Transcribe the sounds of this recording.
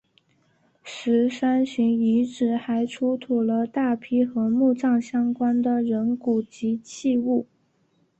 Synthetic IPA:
ʂɻ̩˧˥ʂa˥nɕy˧˥ŋi˧˥ʈ͡ʂɻ̩˨˩xa˧˥ɪʈ͡ʂʰu˥t̪ʰu˨˩lə˦t̪a˥˩pʰi˥xɤ˧˥mu˥˧ʈ͡ʂɑ˥˩ŋɕjɑ˥ŋkwa˥nd̪ə˨ɻə˧˥nku˨˩t͡ɕi˧˥t͡ɕʰi˥˧u˥˩

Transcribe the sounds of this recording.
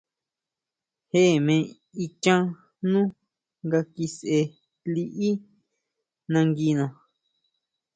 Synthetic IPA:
he˦ʔmẽ˧ | i˧t͡ʃã˦ | nũ˦ | ŋɡa˧ki˧se˧ | li˧ʔi˦ | nã˧ŋɡi˧nõ˨

